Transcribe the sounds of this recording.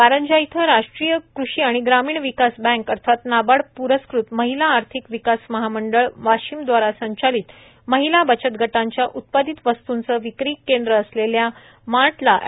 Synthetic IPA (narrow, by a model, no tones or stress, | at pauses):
paɾəɲd͡ʑajt̪ʰəɾaʂʈɾijəkɾuʂiːaɽ̃iɡɾamiːɳʋikasbɛ̃ŋkəɾt̪ʰat̪nabaɽpuɾəskɾut̪məɦilaːɾt̪ʰikʋikasməɦaməɳɖəɭʋaɕiːmd̪ʋaɾasəɲt͡ɕaliːt̪ | məɦilabət͡ɕət̪ɡʱəʈaɲt͡ɕjaʔut̪̚pad̪it̪ʋəst̪unt͡səʋikɾiːkːend̪ɾəːslelja | maʈla